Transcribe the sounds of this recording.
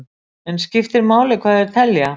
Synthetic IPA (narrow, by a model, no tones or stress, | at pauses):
ɛnscɪft̪ɪɾmaːwlɪkʰvaːðɛɾ̥t̪ʰɛlja